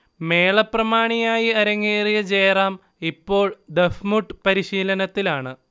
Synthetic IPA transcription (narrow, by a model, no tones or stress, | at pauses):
me̞ːɭɐprɐmaːɳijaːjiɐɾɐŋːeːrijɐt͡ɕeːraːm | ipːo̞ːɭd̪efmuʈːɨpɐɾiɕiːlɐnɐt̪ːilaːɳɨ